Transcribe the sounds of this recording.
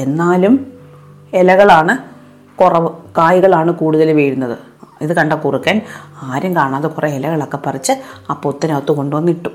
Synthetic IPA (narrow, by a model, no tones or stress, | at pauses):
e̞nːaːlum | elɐɣɐɭaːɳɨ | kurɐʋɨkaːjiɣɐɭaːɳɨkuːɽuðɐlʋeːɾunːɐðɨ | iðɨkɐɳɖɐkːurikʲːaːnaːɾɐmkaːɳaːðɨkureelɐɣɐɭokːepɐrit͡ɕːɨɐpːot̪ːɐnɐɐt̪ːuko̞ɳɖɨʋɐnːiʈːum